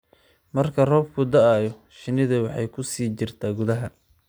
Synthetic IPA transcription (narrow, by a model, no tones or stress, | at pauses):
mɐrkʰɐrɔːbkʰʊd̪ɐjɔ | ʃɪnɪðɐwɑħɑjkʰʊsiːt͡ʃɪrt̪ʰaːɡʊðɐɦɐ